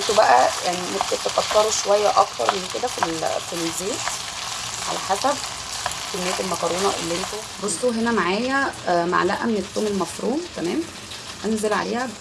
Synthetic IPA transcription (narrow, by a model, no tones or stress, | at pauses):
ʔent̪ubæʔæjaʕnimeb̚k̪et̪eqɑt̪ːɑɾˤoʃowæjːæʔɑkt̪ɑ̰ɾˤmenked̪æfilfilzeːt̪ | ʕa̰læħasæb̚ | kemːejːæt̪elmɑqɑɾˤuːnɑʔḛlːiʔent̪o | bosˤt̪ˤoɦenæmaʕaːjæma̰ʕlæ̰ʔæ̰menet̪ˤːoːmelmɑfɾuːmt̪æmæːm | ʔænzelʕa̰lḛːhæ